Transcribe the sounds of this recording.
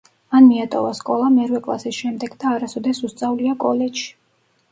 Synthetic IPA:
manmiat̪ʼɔvaskʼɔlˠamɛɾwɛkʼlˠa̰sisʃɛmd̪ɛɡd̪aːɾasɔd̪ɛsust̪sʼavliakʼɔlɛdʃi̥

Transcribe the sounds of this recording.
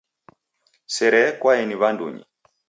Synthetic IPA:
sɛɾɛkwaɛniβandṵɲḭ

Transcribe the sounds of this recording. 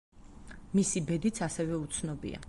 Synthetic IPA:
misibɛd̪it̪sʰasɛvɛut̪sʰnɔbḭa̰

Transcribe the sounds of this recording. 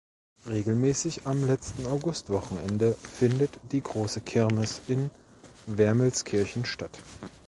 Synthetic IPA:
ʁeːɡl̩mɛːsɪçamlɛt͡stn̩aʊɡʊstv̥ɔχn̩ɛndəfɪndətd̥iːɡʁoːsəkʰɛɐnɪsɪn | vɛɐməlskʰɪɐçn̩ʃtat

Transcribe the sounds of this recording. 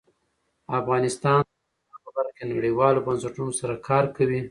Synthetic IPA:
afɣɑnɪst̪ɑn | axabaɾakenaɽiwɑlobansaʈunosaɾakʰɑɾkawi

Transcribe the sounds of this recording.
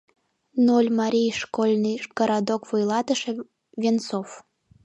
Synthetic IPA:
nolʲmɑɾʲijʃkolʲnɨjɡ̥əɾɑd̪okvujlˠɑt̪əʃĕ | vʲent͡sof

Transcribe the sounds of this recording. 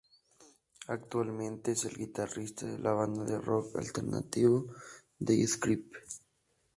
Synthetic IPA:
ak̚t̪walmẽnt̪eeselɣit̪arist̪aðelʔaβand̪aðeroka̰lt̪eɾna̰t̪iβo | d̪eeskɾip

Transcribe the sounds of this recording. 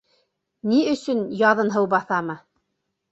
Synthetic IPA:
niɵ̆sɵnjɑðɤnɦɤwbɑθɑmɤ

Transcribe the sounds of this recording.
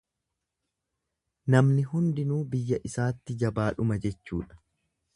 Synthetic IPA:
nɐmnɪɦʊnd̪ɪnuːbɪjːɐʔɪsaːt̪ːɪd͡ʒɐbaːᶑʊmɐd͡ʒɛt͡ʃːṵːᶑɐ̥

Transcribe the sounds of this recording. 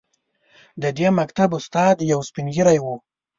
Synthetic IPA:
d̪əd̪emakt̪abʊst̪ɑd̪jawspinɡiɾajwu

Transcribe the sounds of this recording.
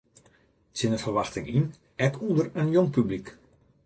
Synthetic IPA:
t͡sɪnəfərʋaxtɪŋin | ɛkʰundərənjoŋpyblik

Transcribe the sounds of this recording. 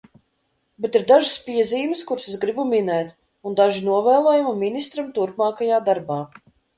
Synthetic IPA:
bet̪iɾd̪aʒɨspʲiɛziːmskuɾszɡɾibuminɛːt̪ | und̪aʒinuɔvɛːlˠɔːjumumʲinʲist̪ɾamt̪uɾpmɑːkajaːd̪aɾbaː

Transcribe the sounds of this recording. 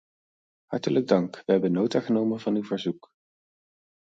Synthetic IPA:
ɦɑ̰ɹtələɡ̚dɑŋkʋəɦɛbənːowtaχənowmənvɑnywvəɹzuk

